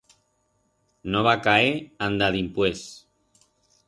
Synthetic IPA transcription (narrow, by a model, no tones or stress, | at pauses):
noβakaeand̪aðimpwes